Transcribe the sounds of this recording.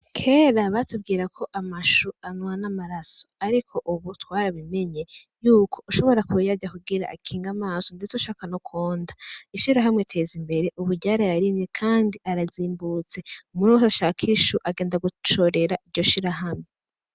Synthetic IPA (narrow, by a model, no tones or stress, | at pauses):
kʰe̞ːɾaβatub̚ɡiːɾakʰo̞ʔamaʃuanwanamaɾaso̥aɾikʰo̞ʔuβutwaːɾaβime̞ɲe̞juːkʰo̞ʔuʃo̞βo̞ɾakujaɟakuɡiɾa̰ːkʰiːŋɡamaːso̞ndet͡seuʃaːkanokʰoːndaiʃiɾaɦamŋetʰe̞ːzimbe̞ɾe̞ʔuβuɾɟaːɾajaɾimekʰaːndiʔaɾaziːmbut͡se̞umunusaʃaːkʰiʃuʔaɡeːndaɡut͡ʃo̞ɾe̞ɾaʔiɾɟo̞ʃiɾaɦamŋe